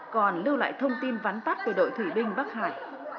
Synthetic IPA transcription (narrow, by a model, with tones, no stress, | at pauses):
kɔ˨˩nlɨ˧wla̰ː˧˨jt̪ʰə˧wŋ͡mt̪i˧nvaː˨˦nt̪a˦˥p̚ku˧˩əɗo̰˧˨jt̪ʰi˧˩ɓï˧ŋ̟ɓaː˦˥k̚ha̰ː˧˨j